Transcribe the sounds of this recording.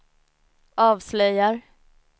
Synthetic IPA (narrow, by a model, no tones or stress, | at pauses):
ʔɑːvslœjaɾ